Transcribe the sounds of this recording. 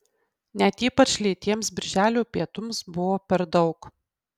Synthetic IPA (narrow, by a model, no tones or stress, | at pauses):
nʲɛt̪iːpɐt͡ʃʲlʲiːt̪ʲiɛmsbʲɪɾʲʒʲæːlʲuːpʲiɛt̪ʊmsbʊʋoːpʲɛɾd̪ɒʊk